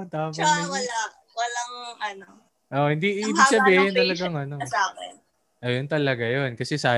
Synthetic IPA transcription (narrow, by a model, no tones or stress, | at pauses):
t̪aːpɐɐla | wɐlaŋʔɐno | ʔohɪnd̪iʔɪːbiɡ̥sɐbiːhɪnt̪ɐlɐɡaŋʔɐno̞aːɛ | ʔɐjont̪ɐlɐɡajonkɐsɛsaː